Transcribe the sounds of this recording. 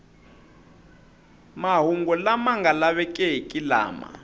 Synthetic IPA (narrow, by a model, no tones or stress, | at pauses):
maɦuŋɡɔlamaŋɡalaβɛkʼɛkʼila̰ːma̰